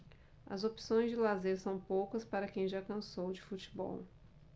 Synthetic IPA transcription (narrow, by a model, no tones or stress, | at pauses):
ɐ̰zopsõj̃zd͡ʒɪlazeɾsɐ̃w̃powkɐspaɾɐkẽj̃ʒakɐ̃sowd͡ʒɪfut͡ʃi̥bɔ̰w